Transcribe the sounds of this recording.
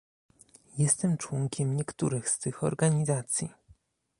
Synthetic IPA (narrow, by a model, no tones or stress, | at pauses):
jɛst̪ɛmt͡ʂwɔŋkʲɛmɲɛkt̪uɾɘxst̪ɘxɔ̰ɾɡaɲizat̪sʲji